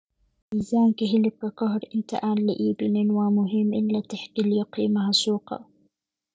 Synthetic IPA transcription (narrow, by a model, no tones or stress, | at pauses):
ʔizaːmkɪɦɪlɪkːakɑɦɾʔɪnt̪a̰ʔaːnlɪʔiːbɪnɪnwamʊɦɪmːʔɪlːat̪ɪħkiljʊqiːmaɦasuːqɑ̰